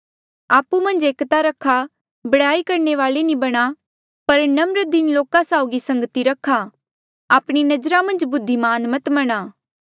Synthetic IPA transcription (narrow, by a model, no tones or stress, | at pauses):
aːpumɐ̃nd͡ʒeːkt̪aɾɐkʰːa | bɐɽaːikɐɾɳeʋaːlenĩbɐɽ̃a | pɐɾnɐmɾəd̪ɪnloːkãsaʊɡisɐ̃ŋɡət̪iɾɐkʰːa | aːpɽ̃inɐd͡ʒɾamɐ̃nd͡ʒbʊd̪ʱːimaːnmɐt̪mɐɽ̃aː